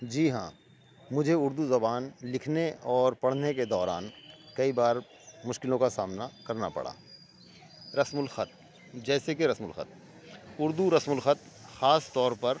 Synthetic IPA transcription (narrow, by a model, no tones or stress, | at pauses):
d͡ʒiːɦã̰ː | mʊd͡ʒʱeʊɾd̪uzɐbaːnlɪkʰneɔːɾpɐɽ̤neked̪ɔːɾaːnkɐibaːɾ | mʊʃkɪlõkasaːmnakɐɾnapɐ̰ɽa̰ː | ɾɐsmʊlxɐt̪̚ | d͡ʒɛːsekeɾɐsmʊlxə̰t̪̚ | ʊɾd̪uɾɐsmʊlxət̪ | xaːst̪ɔːɾpɐɾ